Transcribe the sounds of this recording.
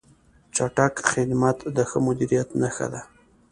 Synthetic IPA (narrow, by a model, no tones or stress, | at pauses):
t͡ʃaʈakxɪd̪mat̪d̪əxəmʊd̪iɾijat̪naxa̰d̪a